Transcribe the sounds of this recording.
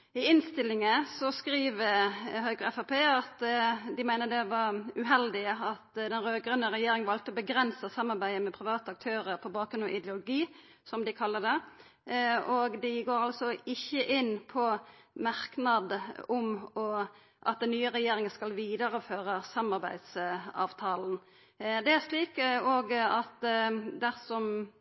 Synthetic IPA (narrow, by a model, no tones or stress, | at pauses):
ɪɪnst̪ɪlːɪŋəsɔskɾiːʋəɦœɡɾəɛfɑpeːɑt̪d̪ɪmæɪnəd̪ɛʋɑɾʉɦɛld̪ɪəɑt̪d̪ɛnɾøːɡɾʉnːəʁɛjeːɾɪŋʋɑlt̪əɔbəɡɾɛnsəsɑmːɑɾbæɪd̪əmɛpʰɾɪʋɑːt̪əɑk̚t̪ʰøːɾəɾpʰɔbɑːkɾʉnɔ̰ʔɪd̪ɛʊlʊɡiː | sɔmd̪ɪkʰɑlːəd̪ɛ | ɔɡd̪ɪɡoːɾɑlsɔɪçːəʔɪnpʰɔmɑʁknɑd̪ʊmɔ | ʔɑ̰t̪̚d̪ɛnːyːəʁɛjeːɾɪŋənskɑlʋiːd̪əʁəføːʁəsɑmɑʁbæɪd̪sɑ̰ːʋt̪ʰɑːln̩ | d̪ɛæʁʂliːkoːɡɑt̪d̪æʁsɔm